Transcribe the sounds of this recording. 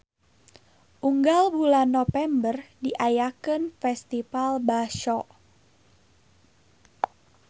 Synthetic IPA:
ʔuŋɡalbulanːɔfɛmbərdiʔajakənfɛst̪ifalbaʃɔʔ

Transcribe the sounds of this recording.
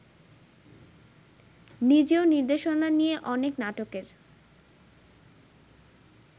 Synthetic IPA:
nid͡ʑeoniɾd̪eʃonanieʔɔneknaʈokeɾ

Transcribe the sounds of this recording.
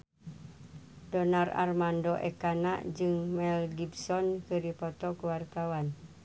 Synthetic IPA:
dɔnara̰rmandɔʔɛ̰kana̰ʔd͡ʒɨŋmɛlɡibsɔnkɨɾipɔt̪ɔkuwart̪awan

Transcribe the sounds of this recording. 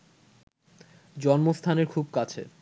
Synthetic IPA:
d͡ʑɔnmost̪ʰaneɾkʰub̚kat͡ɕʰḛ

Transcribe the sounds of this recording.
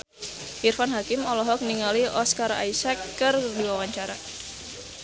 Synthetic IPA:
ʔirfanɦakɪmɔlɔɦɔk̚niŋaliɔskaɾa̰jsɛkːɨrdiwawaɲt͡ʃaɾa

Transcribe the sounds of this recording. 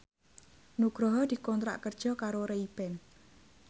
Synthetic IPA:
nuɡ̥ɾɔɦɔd̪̥i̤kɔnt̪ɾa̰ʔkərd̥ʒ̥ɔ̤kaɾoɾeib̥ɛn

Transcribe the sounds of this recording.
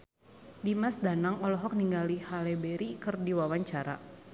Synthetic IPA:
dimasdanaŋɔlɔɦɔk̚niŋɡalihalebeɾikɨrdiwawaɲt͡ʃaɾa̰

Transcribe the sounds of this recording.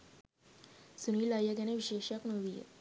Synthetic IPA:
suniːlajəɡaneʋiɕeɕjaknoʋijḛ

